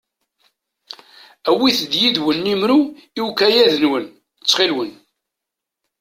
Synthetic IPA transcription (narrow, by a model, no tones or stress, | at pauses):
æwiθd̪jid̪wənːimɾuiwkæjæðənwən | t͡sːχelwən